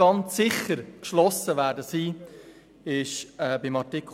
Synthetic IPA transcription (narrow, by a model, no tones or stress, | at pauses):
ɑnt͡sːɪχəɾkʃlɔsəʋæːɾdəsiː | ɪʃɛːbɪmɑtik